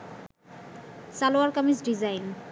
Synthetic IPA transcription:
saloaɾkamisɖid͡ʑajn

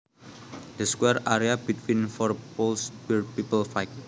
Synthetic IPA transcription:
d̪̥əskwɛɾaɾiabit̪ʰwinfɔrpolsbirpipəlfajk̚

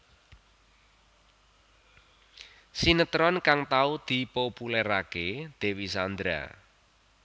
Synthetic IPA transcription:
sinət̪ɾɔnkaŋt̪aud̪̥i̤populɛɾaked̪̥e̤wisand̪ɾa̰

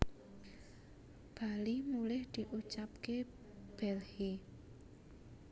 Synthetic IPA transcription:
b̥alimulɪhd̪̥i̤ʔut͡ʃap̚ke | b̥ɛlhi

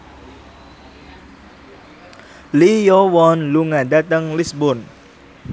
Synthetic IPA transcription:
lijowɔnluŋadat̪əŋlisbʊn

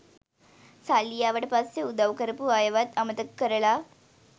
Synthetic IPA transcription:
salijaːʋəʈpasjɐud̪ɐʋkəɾpuaːjɐʋat̪ɐmɐt̪ɐkːəɾɐɭa

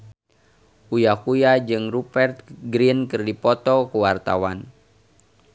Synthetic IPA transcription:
ʔujakujad͡ʒɨŋrupɛrt̪̚ɡɾiənkɨrdipɔt̪ɔkuwart̪a̰wan

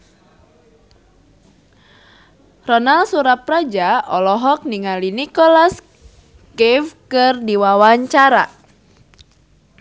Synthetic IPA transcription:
rɔnalsuɾap̪̚rad͡ʒaɔlɔɦɔk̚niŋalinikɔlas | kɛfkɨrdiwawaɲt͡ʃaɾa

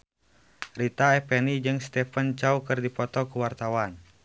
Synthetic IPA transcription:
rit̪aɛpɛnid͡ʒɨŋst̪ɛpənt͡ʃaukɨrdipɔt̪ɔkuwart̪awan

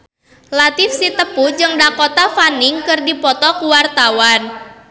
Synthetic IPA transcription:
lat̪ɪfsit̪əpud͡ʒɨŋdakot̪afanɪŋkɨrdipɔt̪ɔkuwart̪awan

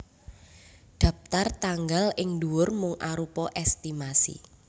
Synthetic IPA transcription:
ɖ̪̥ä̤p̚t̪art̪aŋɡalɪŋduwʊrmʊŋʔaɾupɔʔɛst̪imasḭ

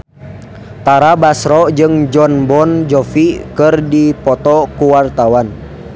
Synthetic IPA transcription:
t̪aɾabasɾɔd͡ʒɨŋd͡ʒɔnbɔnd͡ʒɔfikɨrdipɔt̪ɔkuwart̪awan

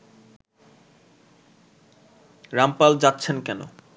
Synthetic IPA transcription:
ɾampald͡ʑatːɕʰenkɛno̰

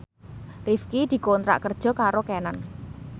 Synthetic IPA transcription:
rifkid̪̥i̤kont̪ɾa̰ʔkərd̥ʒ̥ɔ̤kaɾokɛnan

